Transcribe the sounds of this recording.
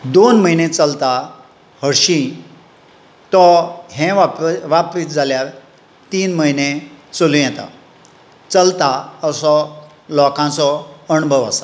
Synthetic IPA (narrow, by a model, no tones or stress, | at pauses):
d̪onməinet͡səlt̪a | həɾɕĩ | t̪ɔɦẽʋapɾit̪̚d͡zʱaljaɾ | t̪iːnməinet͡solũjɛt̪a̰ | t͡səlt̪aəsɔ | lɔkãt͡sɔəɳbʱəʋa̰sa